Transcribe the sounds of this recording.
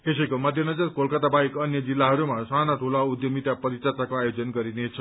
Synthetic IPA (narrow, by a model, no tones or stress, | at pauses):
es̬əjkomʌd̪ʱjənʌd͡zəɾkolkət̪abaikʌnjəd͡zilːaɦʌɾumãsanaʈʰolaud̪jomit̪japəɾit͡ʃət̪akoajod͡zənɡʌɾinet͡ʃʰʌ